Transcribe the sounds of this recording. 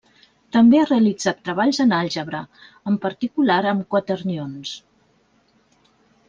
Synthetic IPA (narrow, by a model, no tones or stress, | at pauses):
t̪əmbeareəlid͡zat̪ːɾəβ̞aʎzənaʎʲʒəβɾə | əmpəɾt̪ikulaɾəmkwət̪əɾnions